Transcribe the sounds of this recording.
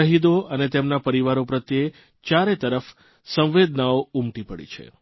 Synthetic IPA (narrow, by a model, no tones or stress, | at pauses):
əɦid̪oənet̪emnapəɾiʋaɾopɾət̪jee | t͡ʃaɾet̪əɾəf | sə̃w̃ʋed̪naoumʈipəɽḭt͡ʃʰḛ